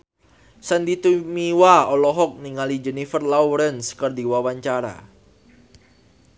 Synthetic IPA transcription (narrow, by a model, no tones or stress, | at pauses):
sand̪it̪umiwaɔlɔɦɔk̚niŋalid͡ʒɛnifərlawɾɛnskərdiwawaɲt͡ʃaɾa̰